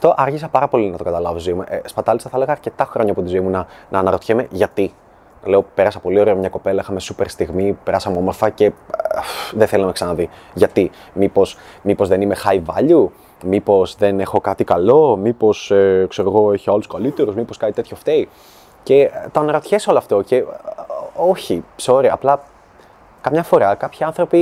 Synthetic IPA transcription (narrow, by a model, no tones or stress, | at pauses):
ɐft̪o̞ʔɐɾçisɐpɐɾɐpo̞linɐt̪o̞kɐt̪ɐlɐvozoimuʔspɐt̪ɐlist̪ɐθeleɣɐːɾce̞t̪ɐxɾo̞ɲɐpuot̪izoimunɐnɐːnɐɾo̞t̪çemeʝɐt̪i | le̞ope̞ɾɐsɐpo̞lio̞ɾeomɲɐko̞pe̞lɐixɐme̞supe̞ɾst̪iɣmipe̞ɾɐsɐmuo̞mo̞ɾfɐce̞ | ðeθeliɐmeksɐnɐðiʝɐt̪i | mipo̞smipozðe̞nimexɐivɐ̰ʎu | mipo̞zðe̞ne̞xo̞kɐt̪ikɐlo̞mipo̞sekse̞ɾoɣo̞eçiɐluskɐlit̪e̞ɾuzmipo̞skɐnit̪e̞t̪ço̞ft̪ei | ce̞t̪oɐnɾot̪çesoloɐft̪o̞ce̞ | oçipseoɾeɐːplɐ | kɐmɲɐfo̞ɾɐkɐpçiɐnθɾo̞pi